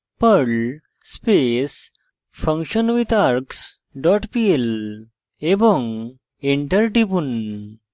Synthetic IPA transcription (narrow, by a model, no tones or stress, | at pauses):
pəɾɭ | spes | fə̃ŋkɕənʋit̪aɾks | ɖɔʈpiel | ebə̃ŋɡ | iɳʈəɾʈipun